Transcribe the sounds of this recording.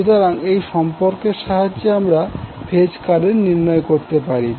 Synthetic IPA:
ut̪oɾaŋejʃɔmpoɾkeɾʃaɦaːeamɾabʰʱed͡ʑkaɾeɾniɾnɔekoɾt̪epaɾi

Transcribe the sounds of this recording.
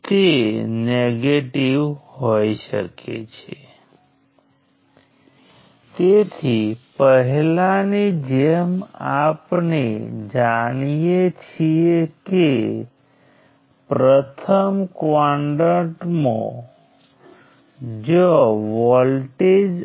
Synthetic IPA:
t̪eneɡeʈiʋɦhojʃə̰kḛt͡ʃʰe | t̪et̪ʰipəɦlanid͡ʒemapnḛd͡ʒaɽ̃ijet͡ʃʰieke | pɾət̪ʰəmkʋaɳɖəʈmõ̰ | d͡ʒoʋɔlʈed͡ʒ

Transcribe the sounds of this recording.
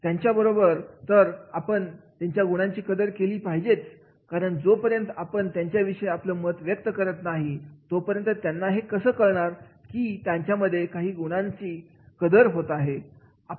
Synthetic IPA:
t̪jaɲt͡ɕjabəɾobəɾt̪əɾapəɳt̪jaɲt͡ɕjaɡuɽ̃ãɲt͡ɕiːkəd̪əɾkeliːpaɦid͡ʑet͡s | kaɾəɳd͡zopəɾjənt̪əapəɳt̪jaɲt͡ɕjaʋiʂəeapləmət̪ʋjək̚t̪əkəɾət̪naɦit̪opəɾjənt̪ət̪janːaɦekəsəːkəɭɳaɾkiːt̪jaɲt͡ɕjaməd̪ʱːjekaɦiːɡuɽ̃ãɲt͡ɕiː | kəd̪əɾɦot̪aɦe | a

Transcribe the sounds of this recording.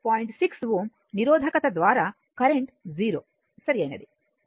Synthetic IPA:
paːjiɳʈsiksʋuːm | niɾoːd̪ʱɐkɐt̪ɐd̪ʋaːɾaː | kɐɾeɳʈziːɾoː | sɐɾiɐjnɐd̪i

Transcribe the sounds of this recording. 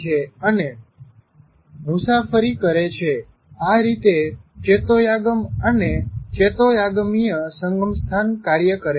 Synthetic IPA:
eəne | musafəɾikəɾet͡ʃʰe | aɾit̪et͡ʃet̪ojaɡəmənet͡ʃet̪ojaɡmijəsəŋɡəmst̪ʰankaɾjəkəɾe

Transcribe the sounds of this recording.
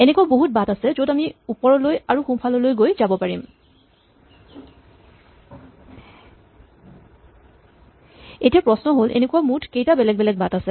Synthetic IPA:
ɛnekuwaboɦut̚batasɛzodamiupɔɹɔlojaɹuxumpʰalɔlojɡojzabɔpaɹim | etiapɹɔsnɔɦolʔḛnekuwamutʰkejtabɛlɛɡ̚bɛlɛɡ̚batasɛ

